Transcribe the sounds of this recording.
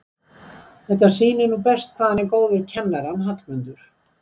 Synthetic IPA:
θɛht̪ḁsiːnɪnupɛst̪kʰvaːðanekoːwðʏɾcʰɛnːaɾanɦat̪lmʏnt̪ʏɾ̥

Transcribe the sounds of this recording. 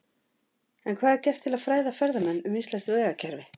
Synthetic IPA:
ɛnkʰvaːðɛɾcɛr̥t̪ʰːɪlaðfɾaːjðafɛɾðamɛnːʏmist̪lɛst̪ɾvɛːɣacʰɛɾvɪ

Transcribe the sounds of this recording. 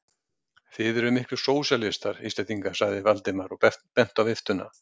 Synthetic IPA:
θɪðɛɾʏmɪhklʏɾ̥soːwsɛlɪst̪aɾ̥iːst̪ɛt̪iŋkḁsaɣðɪvalt̪ɪmaɾɔɛpɛn̥t̪awvɪft̪ʏna̰

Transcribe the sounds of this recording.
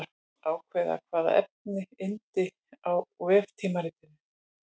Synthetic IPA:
ɾ | aːwkʰvɛːða̰kʰvaːða̰ʔɛ̰p̚nɪɪnt̪ɪ | awvɛːft̪ʰiːmaɾiːt̪ɪnɪ

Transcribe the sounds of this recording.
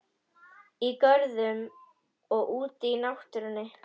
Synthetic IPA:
ikœɾðʏm | ɔɣuːt̪inawht̪ʏɾʏnːɪ

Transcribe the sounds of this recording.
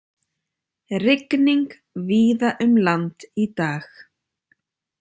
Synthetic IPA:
rɪkniŋk | viːðaʔʏmlant̪it̪aːx

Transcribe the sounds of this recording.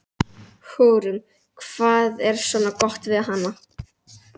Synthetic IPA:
hoːwɾʏm | kʰv̥aːðɛɾ̥svɔːnːakɔht̪vɪðɦanːa

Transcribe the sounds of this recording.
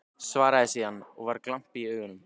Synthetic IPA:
svaːɾaðɪsianːɔɣvaɾklam̥piiœːɣʏnʏm

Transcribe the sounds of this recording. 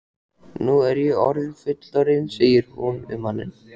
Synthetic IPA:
nuɛɾjɛɔɾðfʏt̪laɾɪnseːjɪɾ̥hunʏ̰mhanːɪ̰n

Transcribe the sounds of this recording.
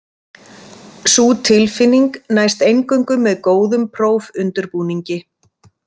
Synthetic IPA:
suːt̪ʰɪlfɪnːiŋknaːjst̪ejŋkʏɥŋkʏmːɛðkoːwðʏmpʰɾoːwvʏnt̪ʏɾpuːniɲcɪ

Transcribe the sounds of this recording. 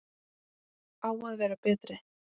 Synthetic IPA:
aːwaðvɛːɾapɛːt̪ɾɪ

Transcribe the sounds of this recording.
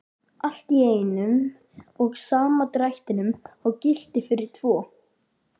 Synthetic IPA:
al̥t̪ieːjnʏm | ɔɣsaːmat̪ɾajht̪ɪnʏmawcɪl̥t̪ɪfɪɾɪɾ̥t̪ʰv̥ɔː

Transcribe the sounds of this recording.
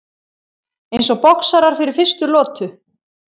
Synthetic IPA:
ejnsɔɣpɔksaɾaɾ̥fɪɾɪɾ̥fɪr̥st̪ʏlɔːt̪ʏ

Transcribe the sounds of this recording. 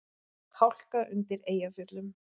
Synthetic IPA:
hʰawl̥kaʔʏnt̪ɪɾeːjafjʏt̪lʏm

